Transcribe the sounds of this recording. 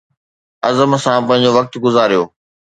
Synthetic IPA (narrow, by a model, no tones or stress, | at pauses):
ɐzəmsãpɐ̃ɦɪ̃ɲ̆d͡ʑoʋɐk̚t̪ɡʊzaːɾijoː